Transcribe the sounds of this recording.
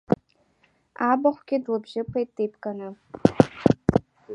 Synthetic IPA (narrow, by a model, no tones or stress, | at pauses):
abaχʷɡʲɪdlɨbʒɪpʰajʼɨjpʰʼkʼanɨ